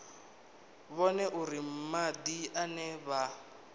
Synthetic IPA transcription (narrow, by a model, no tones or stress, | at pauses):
βɔnɛʔuɾim̩mad̪ianɛβa